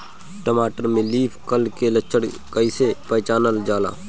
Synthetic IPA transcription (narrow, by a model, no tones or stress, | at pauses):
ʈəmaːʈəɾmẽliːpʰkəlkelət͡ʃʰːəɽ | kəisepɛːt͡ʃaːnəld͡ʒaːla̰ː